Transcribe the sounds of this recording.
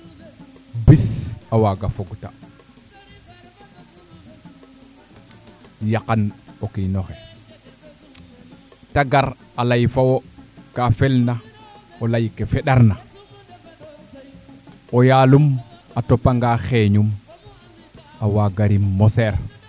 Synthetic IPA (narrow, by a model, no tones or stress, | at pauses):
bisawaɡafoɡta̰ | jaqanokinoxe | taɡaɾalajfawokafelna | olajkefeɗaɾna | ojaːlumatopːaŋɡaxeɲum | awaɡaɾimɔseɾ